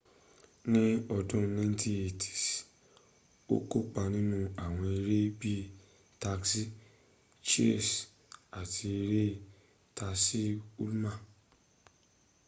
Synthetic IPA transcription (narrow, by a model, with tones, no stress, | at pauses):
nĩ˦ɔ˧dũ˦nã˦tʰi˦e˨tʰi̥˨s | o̰˦ko˦k͡pa˧nĩ˦nũ˦a˦˨w̃ɔ̃˧e˧ɾe˦bi˦ | ta˧ksi˦ | t͡ʃe˦˨s | a˨tʰi˧e˧ɾe˦ | ta˧si˦u˦lmã˦˨